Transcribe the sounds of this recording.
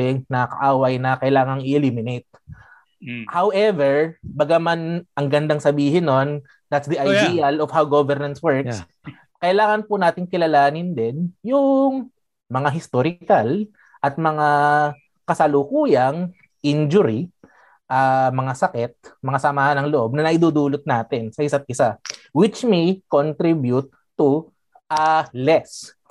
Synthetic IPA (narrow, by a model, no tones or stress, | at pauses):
ɛnɐkɐ̰ʔaːwɐjnɐkɐjlaːŋɐŋɪʔɛlimɪnejt̪̚ | hawʔɛvɛɹbɐɡamanʔɐŋɡɐnd̪aŋsɐbiːɦɪnːo̞n | d̪at̪sd̪iʔɐjd̪iɐlɔfhawɡovɛɾnɐnswɛɹks | kɐʔɪlaːŋɐnpʊnaːt̪ɪŋkɪlɐlaːnɪnd̪ɛnjʊŋ | mɐŋaɦɪst̪oɾɪkɐl | ʔɐt̪̚mɐŋa | kɐsɐlʊkuːjɐŋ | ʔind͡ʒʊɾi | ʔɐmɐŋasɐkɛt̪̚mɐŋasɐmaːhɐnɐŋloʔo̞b̚nɐnɐʔɪd̪uːd̪uːlot̪̚naːt̪ɪnsɐʔɪsat̪̚ʔɪsawɪt͡ʃmejkont̪ɾibjut̪ːu | ʔɐlɛs